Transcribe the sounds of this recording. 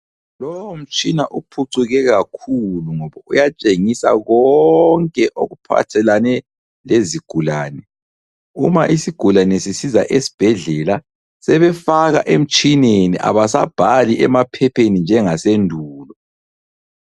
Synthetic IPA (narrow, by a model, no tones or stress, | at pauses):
lɔwm̩t͡ʃʼinaʔupʰuǀuɣɛɣakʰuluŋɔβaujat͡ʃʼeŋisa̰ɣɔŋkʼɛʔoɣupʰa̰tʰɛlanɛ | leziɡ̥ʱulaːnɛ | ṵmaʔisiɡ̥ʱulanɛsisizaʔesi̥b̥ʱɛɮɛla | sɛβɛfaɣa̰ʔem̩t͡ʃʼineniʔa̰βasab̥ʱaliʔɛmapʰɛpʰenind͡ʒʱɛŋasendʱuːlɔ